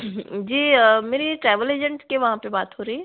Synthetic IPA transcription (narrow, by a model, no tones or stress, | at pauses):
d͡ʒiːmeːɾeʈɾɛːʋəleːd͡ʒə̃ɳʈskeʋɐɦãpebaːt̪ɦoːɾɐɦiɛː